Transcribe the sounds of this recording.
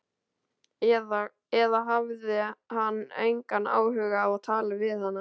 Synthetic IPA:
ða | ɛðaɦavðɪɦanːḛjŋkanːa̰ːwhʏːɣaːvaðt̪ʰaːlavɪðhanːa

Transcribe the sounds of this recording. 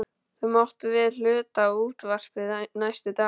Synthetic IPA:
θœmɔwht̪ʏvɪðl̥ʏːt̪auːt̪var̥pɪnajst̪ʏt̪aː

